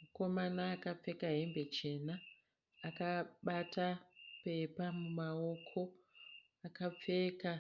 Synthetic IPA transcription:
muko̞manaːkap͡fe̞kaɦembe̞t͡ʃe̞naː | kaɓatape̞pamumao̞kʰo̞ | akap͡fe̞ka

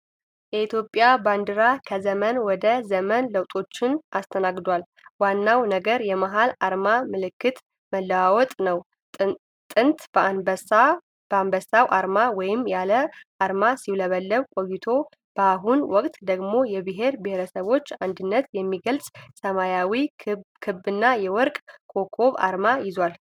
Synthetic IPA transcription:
jɛit̪jo̞pʼːjaband̪ɨɾakʰəzəmənwɔd̪əzəmənləwt̪ʼo̞t͡ʃːɪnʔast̪ʰənaɡd̪ʷal | wanːawnəɡəɾjɛmaɦalaɾmamɨlɨkːɨt̪ | məlːəwawɔt̪ʼnəw | t̪ʼɨnt̪b | b̥əambəsawʔaɾmawɔjɪmːjaləʔaɾmasiwləβəlːəβkʼo̞jːɪt̪ʰo̞ | b̥əaɦunwɔkʼt̪ʼd̪əɡmo̞jɛbɨɦe̞ɾbɨheɾəsəβo̞t͡ʃːand̪ɨnːət̪jɛmːiɡəlsʼsəmajawikʰɨbːɨnːajɛwɔɾkʼkʰo̞kʰo̞βa̰ɾmajɪzwal

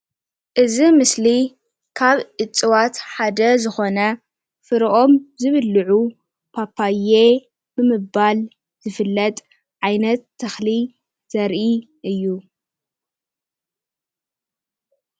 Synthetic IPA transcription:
ʔɨzimɨsli | kʰaβʕɨt͡sʼːɨwat̪ħad̪ɐzɨxo̞nɐ | fɨɾʔo̞mzɨβɨlːɨʕu | pʰapʰːaje | bɨmɨbal | zɨfɨlːɐt̪ʼ | ʕajnɐt̪ʰːɐxli | z̥ɐɾʔi | ʔɨjːu

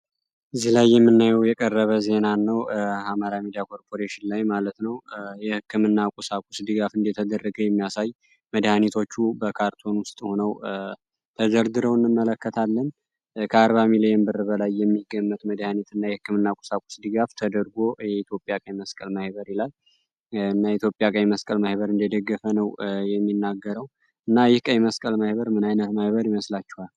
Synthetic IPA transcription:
ɨzːihlajːɛmːɨnːajɛwjɛkʼərːəβəze̞nanːəwhamaɾamid̪ijakʰo̞ɾpʰo̞ɾeʃɪnlajmalət̪nəwjɛhɨkːɨmɨnːakʼusakʼusd̪ɨɡafɨnd̪et̪ʰəd̪ərːəɡəwjɛmːijasaj | məd̪hanet̪ʰo̞t͡ʃːubəkʰaɾt̪ʰo̞nwʊst̪ʼho̞nəw | t̪ʰəd͡ʒəɾd̪ɨɾəwɨnːɨmːələkːət̪ʰalːən | kʰəaɾβamilijenbɨrɨβəlajːɛmːiɡːəmːət̪məd̪hanet̪ɨnːajɛhɨkːɨmɨnːakʷʼu̥sakʼu̥sd̪ɨɡaft̪ʰəd̪əɾɡo̞jɛit̪ʰjo̞pʼːjakʼəjməskʼəlməhβəɾilal | ɨnːait̪ʰjo̞pʼːjakʼəjməskʼəlməhβəɾɨnd̪jɛd̪əɡːəfənəwjɛmːinːaɡːəɾəw | ɨnːajɪhkʼəjməskʼəlməhβəɾmɨnajnət̪məhβəɾɪməslat͡ʃːɛ̥hal

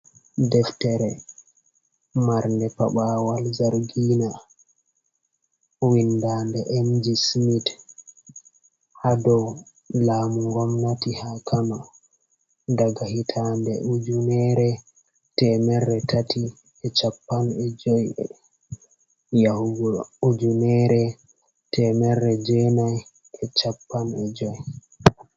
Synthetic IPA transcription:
dɛftɛɾɛ | maɾndɛpaɓaːwalzaɾɡiːna | windandɛʔɛmd͡ʒismit | hadɔw | laːmuŋɡɔmnatihakʰama | daɡahitʰandɛ̰ʔud͡ʒunɛɾɛ | tɛmɛɾːɛtʰatʰi | ɛt͡ʃapːanɛd͡ʒɔjɛ̰ | jahuɡuud͡ʒunɛɾɛ | tʰɛmɛɾːɛd͡ʒɛnaj | ɛt͡ʃapːanɛd͡ʒɔj

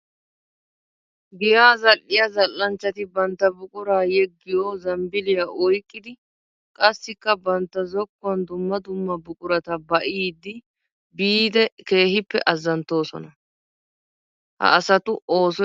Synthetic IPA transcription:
ɡɪjaːzɐlːɪjɐzɐlːɐnt͡ʃːɐt̪ɪbɐnt̪ːɐbʊkʼʊɾaːjɛɡːɪjoːzɐmbɪlɪjaʔɔjkʼːɪd̪ɪ | kʼɐsːɪkːɐbɐnt̪ːɐzɔkːʊɐnd̪ʊmːɐd̪ʊmːɐbʊkʼʊɾɐt̪ɐbɐʔiːd̪ːɪ | biːd̪ɛke̞ːhɪpːɛ̰ʔɐzːɐnt̪ːo̞ːsɔ̰nɐ | hɐ̰ːsɐt̪ʊʔo̞ːsɔ

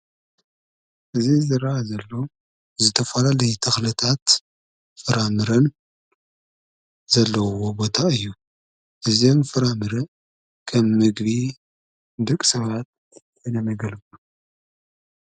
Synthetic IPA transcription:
ʔɨzizɨɾɐʔazɐlːo̞ | zɨt̪ʰɐfɐlalɐjut̪ʰɐxlɨt̪ʰat̪ | fɨɾamɨɾɐn | zɐlːɐwobo̞t̪ʰaɨjːu | ʔɨziomfɨɾamɨɾɐ | kʰɐmːɨɡβi | d̪ɨkʼsɐβat̪̚ | ɐnɐmɐɡɐlbu

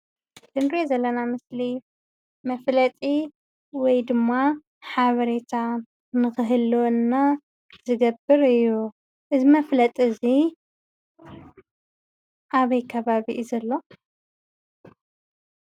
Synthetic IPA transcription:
d̪̥ɨnɾezɐlːɐnamɨsli | mɐflɐt̪ʼi | wɔjd̪ɨmːa | ħaβɐɾe̞t̪ʰa | nɨxɨɦɨlonːa | zɨɡɐbɨɾɨjːu | ʔɨzimɐflɐt̪ʼɨzi | ʔaβɐjkʰɐβaβiʔzɐlːo̞

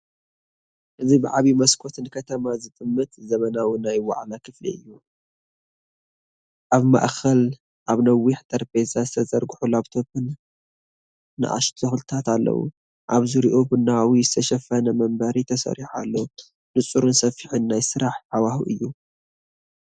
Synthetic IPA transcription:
ʔɨzibɨʕaβimɐskʰo̞t̪ʰɨnkʰɐt̪ʰɐmazɨt̪ʼɨmːɨt̪zɐmɐnawinajwa̰ʕlakʰɨflḭɨjːu | ʔaβma̰ʔxɐl | ʔaβnɐwːiħt̪ʼɐɾbezazɨt̪ʰɐzɐɾɡuħulaβt̪ʰopʰɨn | ɨ̰ʔa̰ʃt̪ʰoxlt̪ʰat̪alːɐ̰wṵ | ʔaβzɨɾiʔobɨnaawijzɨt̪ʰɐʃɐfɐnɐmɐmbɐɾit̪ʰɐsɐ̰ɾiħa̰lːo | nɨt͡sʼuɾunsɐfːiħɨnːajsɨɾaħʕawahṵʔɨjːu

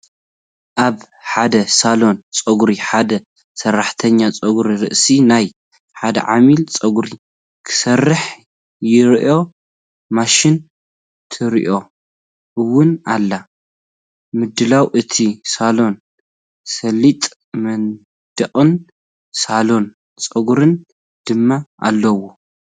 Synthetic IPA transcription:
ʔaβ | ħad̪ɐsalo̞nt͡sʼɐɡɾiħad̪ɐ | sɐrːaħt̪ʰɐɲːat͡sʼɐɡɾiɾɨ̰ʔsinaj | ħad̪ɐ̰ʕamilt͡sʼɐɡuɾi | kʰɨ̥sɐrːɨħ | jɪɾʔo̞ | maʃɪn | t̪ʰɨɾʔo̞ | ʔɨwːʊnalːa | mɨd̪ɨlawʔɨt̪ʰisalo̞n | sɐlit̪ʼ | mɐn | d̪̥ɐχʼɨn | salo̞n | t͡sʼɐɡuɾɨn | d̪̥ɨmːaʔa̰lːɐwo

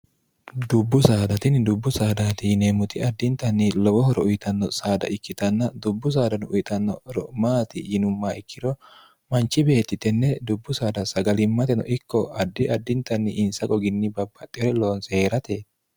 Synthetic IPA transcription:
d̪ʊbːʊsaːd̪ɐt̪ɪnd̪ʊbːʊsaːd̪at̪ɪnemʊt̪ɪɐd̪ːɪnt̪ɐnːɪlɔwɔɦɔɾɔʊjɪt̪ɐnːɔsaːd̪ɐ̰ʔɪkːɪt̪ɐnːɐd̪ʊbːʊs̬aːd̪ɐnʔʊjɪt̪ʼɐnːɔɾɔmaːt̪ɪjɪnʊmːaːɪkːɪd̪ɔ | mɐnt͡ʃːɪbe̞ːt̪ːɪt̪ɛnːɛd̪ʊbːʊsaːd̪ɐsɐɡɐlɪmːɐt̪ɛnɔ̰ʔɪkːɔɐd̪ːɪɐd̪ːɪnt̪ɐnːɪʔːnsɐkʼɔɡɪnːɪbɐbːɐt̪ʼːɪɔɾɛlo̞ːnseːɾɐt̪e

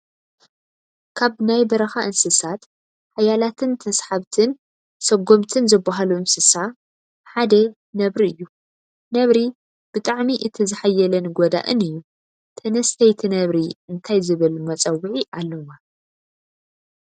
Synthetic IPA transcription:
kʰaβnajbɐɾɐxaʔɨnsɨsat̪ | ħajalat̪ʰɨnt̪ʰɐsħaβt̪ʰɨn | sɐɡo̞mt̪ʰɨnzɨbːaɦaluɨnsɨsa | ħad̪ɐ | nɐβɾiɨjːu | nɐβɾi | b̥ɨt̪ʼaʕmiʔɨt̪ʰizɨħajːɐlɐnɡod̪a̰ʔɨ̰nɨjːu | t̪ʰɐnɐst̪ʰɐjt̪ʰinɐβɾiɨnt̪ʰajzɨβɨlmɐt͡sʼɐwɨʕiʔalːɐma

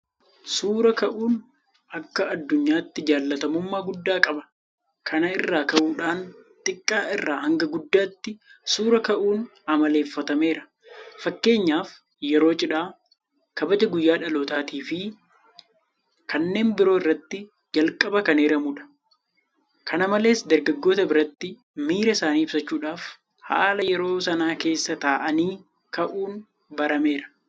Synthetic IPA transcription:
suːɾɐkɐʔuːn | ʔɐkːɐɐd̪ːʊɲːaːt̪ːɪd͡ʒaːlːɐt̪ɐmʊmːaːɡʊd̪ːaːkʼɐbɐ̥ | kʰɐnɐɪrːaːkɐʔuːᶑaːnt̪ʼɪkʼːaːɪrːaːɦɐŋɡɐɡʊd̪ːaːt̪ːɪsuːɾɐkɐʔuːn | ɐmɐle̞ːfːɐt̪ɐme̞ːɾɐ̥ | fɐkːe̞ːɲːaːf | jɛɾo̞ːt͡ʃʼɪᶑaː | kɐbɐd͡ʒɐɡʊjːaːᶑɐloːt̪aːt̪iːfɪ | kɐnːe̞ːnbɪɾo̞ːɪrːɐt̪ːɪ | d͡ʒɐlkʼɐbɐkɐneːɾɐmʊᶑɐ̥ | kʰɐnɐmɐle̞ːsd̪ɐɾɡɐɡːo̞ːt̪ɐbɪɾɐt̪ːɪ | miːɾɐɪsaːniːɪb̥sɐt͡ʃːuːᶑaːf | ha̰ːlɐjɛɾo̞ːsɐnaːke̞ːsːɐt̪aːʔɐniː | kɐʔuːn | bɐɾɐme̞ːɾɐ̥

